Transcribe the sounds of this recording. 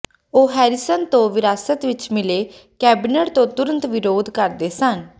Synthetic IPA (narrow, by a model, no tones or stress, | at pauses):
oːɦɛːɾɪsənt̪õːʋɪɾaːsət̪ʋɪt͡ʃmɪleː | kɛːbinəʈt̪õːt̪ʊɾə̃nt̪ʋɪɾoːd̪kəɾd̪eːsən